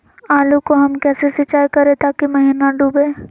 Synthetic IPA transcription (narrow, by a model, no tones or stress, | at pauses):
aːlukoɦɐmkɛːsesɪt͡ʃaːjkɐɾẽt̪aːkimɐɦiːnaɖuːbeː